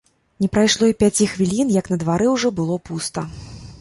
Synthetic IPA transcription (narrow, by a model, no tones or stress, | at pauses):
nʲɛpɾajʂlˠɔipʲat͡sʲixvʲilʲinjɐknɐd̪vaɾɨwʐɔbɨlˠɔpust̪ɐ